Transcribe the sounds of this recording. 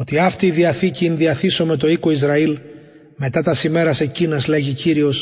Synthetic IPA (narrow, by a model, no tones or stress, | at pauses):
o̞t̪iɐft̪iːðiɐθiciːnðiɐθiso̞me̞t̪o̞iko̞izɾɐil | me̞t̪ɐt̪ɐsime̞ɾɐse̞cinɐzle̞ʝiciɾio̞s